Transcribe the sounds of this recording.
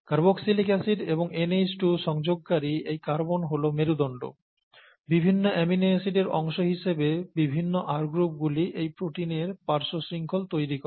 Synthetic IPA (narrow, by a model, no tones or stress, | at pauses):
kaɾboksilikɛsiɖeboŋenesʈuʃɔŋd͡ʑoɡ̚kaɾiejkaɾbonɦolomeɾud̪ɔɳɖo̰ | bibʱinːoʔɛminesiɖeɾɔŋʃoɦiʃebebibʱinːoʔaɾɡɾup̚ɡuliʔejpɾoʈineɾpaɾʃosiŋkʰolt̪ojɾikɔ